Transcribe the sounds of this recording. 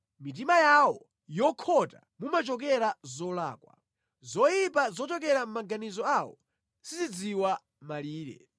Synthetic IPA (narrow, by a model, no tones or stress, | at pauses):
mit̬imajawɔ | jɔkʰɔta̰ | mumat͡ʃɔk̬ɛɾazɔla̰ːkwa̰ | zɔjip̬azɔt͡ʃɔk̬ɛɾam̩maɡanizɔawɔ | sizid͡ziwa | maliːɾɛ̰